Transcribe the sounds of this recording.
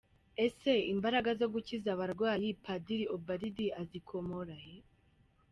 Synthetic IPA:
ese̞imbaɾaɡazo̞ɡucizaβaɾɡwaːjipʰadiɾiobaɾidiazikʰomoɾaje

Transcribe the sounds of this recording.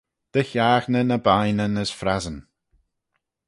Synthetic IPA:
d̪̥əçaːxnənəbajnənəsfɾazən

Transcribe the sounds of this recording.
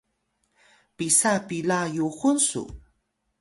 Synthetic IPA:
pisapilajuχʊnsʊ̰

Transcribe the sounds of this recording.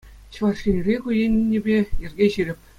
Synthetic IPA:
ɕʋɑrʂʲirʲekujenʲːĕbʲejɘ̆rʲɡʲeɕiɾʲɘ̆pʲ

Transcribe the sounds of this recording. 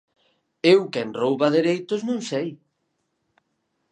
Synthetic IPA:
ewkɛnrowβɐðeɾejt̪ʊznũŋsej

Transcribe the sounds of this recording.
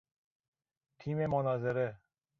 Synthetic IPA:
t̪ʰiːmemonɒːzeɾe

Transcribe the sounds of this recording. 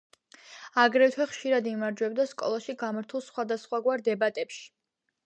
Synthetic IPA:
aɡɾɛt̪ʰwɛχʃiɾad̪imaɾd͡ʒwɛbd̪askʼɔ̰lˠaʃiɡamaɾt̪ʰulˠsχwad̪asχwaɡwaɾd̪ɛbat̪ʼɛpʃi̥

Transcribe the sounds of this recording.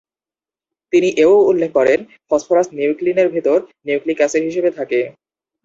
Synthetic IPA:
t̪iniʔeooulːekʰːkɔɾen | fʰɔsfʰoɾasniwklineɾbʱit̪oɾniwklikɛseɾɦiʃebet̪ʰake

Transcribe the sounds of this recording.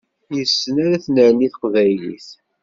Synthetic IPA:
jəsːənæɾæθnəɾliθə̥qvæjlḭθ

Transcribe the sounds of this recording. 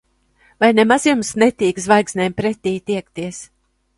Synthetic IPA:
vajnemazjumsnɛt̪iːkzvajksʲnʲɛjmpɾɛt̪ʲiːt̪iɛk̚t̪iɛs

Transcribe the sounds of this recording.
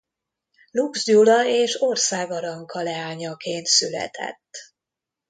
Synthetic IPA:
luɡzd͡ʒulɒeːʃorsaːɡɒɾɒŋkʰɒlɛaːɲɒkeːnt̪sylɛ̰t̪ʰɛ̰t̪ː

